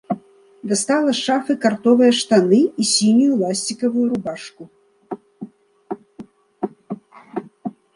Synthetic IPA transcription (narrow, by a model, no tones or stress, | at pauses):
d̪ɐst̪alˠɐʂafɨkart̪ɔvɨjɐʂt̪anɨisʲinʲujulˠasʲt͡sʲikɐvujuɾubaʂku